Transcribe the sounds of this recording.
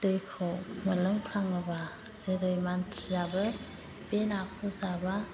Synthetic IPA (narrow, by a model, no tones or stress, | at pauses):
dɯjkʰɔməlɯŋpʰɾaŋɯba | z̥eɾɯjmantʰijabɯ | benakʰuzaba